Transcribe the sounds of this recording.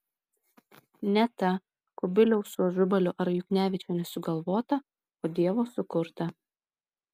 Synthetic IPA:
nʲɛt̪ɐ | kʊbʲɪlʲɛʊsuɔʒʊbɐlʲʊʔɐɾjʊknʲæːʋʲɪt͡ʃʲoːnʲɛsʊɡɐlˠʋoːt̪ɐ | oːd̪ʲiɛʋoːsʊkʊɾt̪ɐ

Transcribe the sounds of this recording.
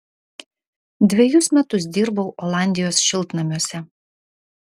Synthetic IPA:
d̪ʲʋʲɛjʊsmʲɛt̪ʊs̬d̪ʲiːɾbɐʊʔɔlˠɑˑnʲd̪ʲɪjoːsʃʲɪlˠˑt̪nɐmʲuɔsʲɛ

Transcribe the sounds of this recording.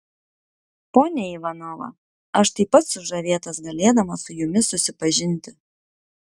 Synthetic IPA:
poːnʲɛiːʋɐnoːʋɐ̰ | ɐʃt̪ɐɪpːɐt̪sʊʒɐʋʲeːt̪ɐsɡɐlʲeːd̪ɐmɐsʊjʊmʲɪsʊsʲɪpɐʒʲɪnʲˑt̪ʲɪ

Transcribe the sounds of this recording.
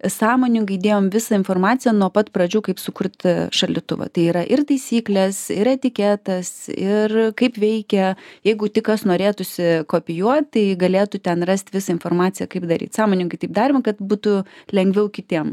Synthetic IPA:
sɑːmoːnʲɪŋkɐɪd̪ʲeːjoːmʋʲɪsɐɪnfoːrmɑːtt͡sʲɪjɛnuɔpɐt̪pɾɐd͡ʒʲuːkɐɪpsʊkʊrt̪ʃɐlʲɪt̪ʊ̰ʋɐ̰t̪ɐɪiːɾɐʔɪrt̪ɐɪsʲiːklʲɛsɪɾɛt̪ʲɪkʲɛt̪ɐsɪ̰rkɐɪpʋʲɛɪkʲɛjɛɪɡʊt̪ʲɪkɐsnoːɾʲeːt̪ʊsʲɪkoːpʲɪjuɔt̪̚t̪ɐɪɡɐlʲeːt̪ʊt̪ʲɛnrɐsʲt̪ʲʋʲɪsɐɪnfoːrmɑːt͡s̪ʲɪjɛkɐɪpd̪ɐɾʲḭːt̪sɑːmoːnʲɪŋkɐɪt̪ɐɪp̚d̪ɑːɾʲɪmɐkɐt̪buːt̪ʊlʲɛŋʲɡʲʋʲɛʊkʲɪt̪ʲiɛm

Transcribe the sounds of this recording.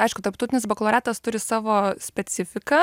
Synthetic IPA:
ɐɪʃkʊt̪ɐɾpt̪ɐʊt̪ʲɪnʲɪsbɐklˠoːɾʲæːt̪ɐst̪ʊɾʲɪsɑːʋoːsʲpʲɛt̪sʲɪfʲɪkɐ

